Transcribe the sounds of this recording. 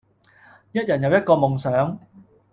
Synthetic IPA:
jɐ˥t̚jɐ˨˩njɐ˨˧wjɐ˥t̚kɔː˧mʊ˨ŋsœː˨˥ŋ

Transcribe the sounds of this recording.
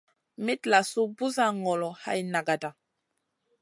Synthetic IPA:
mi˦tla˨su˦bu˦za˦ŋɔ˨lɔ˨ha̰˦jna˨ɡa˨da˨

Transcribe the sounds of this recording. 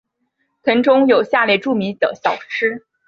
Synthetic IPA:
t̪ʰɤ˧˥ŋʈ͡ʂʊ˥ŋjo˨˩ʊɕja˥˧ljɛ˥˧ɪʈ͡ʂu˥˩mi˧˥nt̪ɤ̰˨˩ɕjɑ˨˩ʊʈ͡ʂʰɻ̩˥

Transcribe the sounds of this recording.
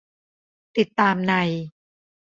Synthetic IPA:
t̪i˨˩t̪ːaː˧mna˧j

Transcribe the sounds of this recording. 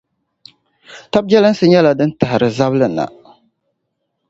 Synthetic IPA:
ta˦b̚d͡ʒɛ˦lɨ˦n˦sɨ˦ɲɛ˦la˨dɨ˦n̩˦ta˨hɪ˨ɾɨ˨za˦blɨ˨na̰˨

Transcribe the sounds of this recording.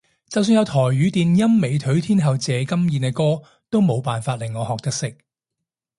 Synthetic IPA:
t͡sɐ˨ws̬yː˧njɐ˨˧wt̪ʰɔː˨˩jɥyː˨˧t̪iː˨njɐ˥mːe˨˧jt̪ʰɵ˨˥ɥt̪ʰiː˥nɦɐ˨wt͡sɛː˨˧kɐ˥mjiː˨˧nɛ˧kɔː˥ | t̪o˥wmo˨˧wpaː˨nfaː˧t̚lɪ˨˩ŋːɔː˨˧hɔː˨k̚t̪ɐ˥k̚sɪ˥k̚

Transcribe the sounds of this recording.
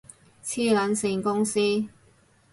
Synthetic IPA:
t͡sʰiː˥lɐ˨˥nsɪ˧ŋkʊ˥ŋsiː˥

